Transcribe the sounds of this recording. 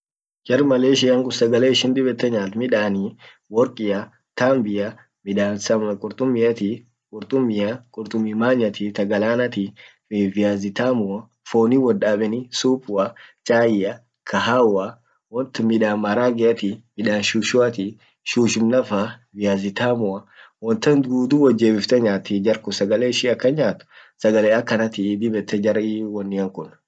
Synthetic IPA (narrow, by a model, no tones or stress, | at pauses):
d͡ʒɐɾmɐleːʃɪjɐŋkʼʊsɐɡɐleːɪʃɪnd̪ɪbɛt̪ːɐɲaːlt̪mɪᶑaːni | wɔɾkʼɪjɐ | t̪aːmbɪjɐ | mɪᶑaːnsɐkʼʊɾt̪ʼʊmːɪjɐt̪i | kʼʊɾt̪ʼʊmːɪjɐkʼʊɾt̪ʼʊmimaːɲːɐt̪it̪ɐɡɐlaːnɐt̪i | vɪjaːzɪt̪aːmʊɐ | foːniːwɔdaːbɛnisuːpʊɐt͡ʃʼaːjɪjɐ | kʰɐɦaːwɐ | wɔnt̪ɪmɪᶑaːnmɐɾaːɡɛɐt̪ɪmɪᶑaːnʃuʃʊɐt̪ɪ | ʃuːʃɪmnɐfɐvɪjaːzɪt̪aːmʊɐwɔnt̪ɐnd̪ɡuːd̪uːwɐd͡ʒːeːbɪft̪ɛɲaːt̪ɪd͡ʒɐɾkʊsɐɡɐleːɪʃiɐkːɐɲaːt̪ʊ̥ | sɐɡɐleːɐkːɐnɐt̪ɪd̪ɪbɛt̪ːɛd͡ʒɐɾiwɔnːɪɐŋkʊn